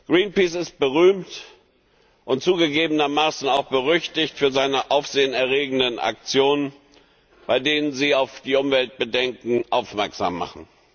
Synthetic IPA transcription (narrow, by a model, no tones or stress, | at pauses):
ɡ̥ʁiːnpiːsɪst̚b̥əʁyːmt | ʔʊntt͡suːɡəɡeːbənɐmaːsn̩aʊxb̥əʁʏçtɪçtfyːɐzaɪnəʔaʊfz̥eːənɛɐʁeːɡŋ̩dənʔa̰k̚t͡sjoːnən | b̥aɪdeːnənziːaʊfd̥iːʔʊmvɛlt̚b̥ədɛŋkŋ̩ʔaʊfmɛɐkz̥a̰ːmːa̰χn̩